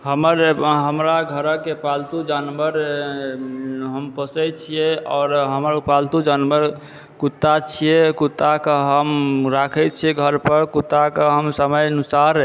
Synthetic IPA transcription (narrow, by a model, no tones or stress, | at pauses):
ɦəməɾɦəmɾaɡʱəɾəkepalt̪ud͡ʒanbəɾ | ɦəmpəsɛt͡ʃʰijeɔːɾɦəməɾpalt̪ud͡ʒanbəɾ | kut̪ːat͡ʃʰijekut̪ːakəɦəmɾakʰɛt͡ʃʰieɡʱəɾpəɾkut̪ːakeɦəmsəməjənusaɾ